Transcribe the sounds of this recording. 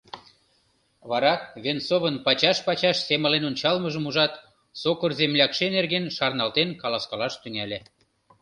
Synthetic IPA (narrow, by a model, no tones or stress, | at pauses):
βɑɾɑkβensoβənpɑt͡ɕɑʃpɑt͡ɕɑʃseməlenonʲt͡ɕɑlməʒəmuʒɑt̪ | sokərzemlʲɑkʃenerɣenʃɑrnɑlt̪enkɑlɑskɑlɑʃt̪yŋælʲe